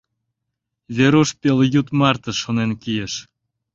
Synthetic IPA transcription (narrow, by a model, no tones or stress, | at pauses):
βeɾuʃpeljut̪mɑrt̪ə̆ʃonenkijeʃ